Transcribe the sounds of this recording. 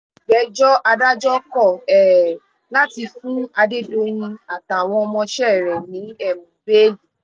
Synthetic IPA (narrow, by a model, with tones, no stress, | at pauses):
bɛ˨˦d͡ʒɔ˦ʔa˧da˦d͡ʒɔ˦kɔ˦˨ɛ˨ | la˦ti˧fũ˦a˧de˦do˦j̃ĩ˧a˨ta˨w̃ɔ̃˧ɔ˧mɔ̃˧ʃɛ˦˨ɾɛ˨nĩ˨˦ɛ˦˨mũ˨be˦di˨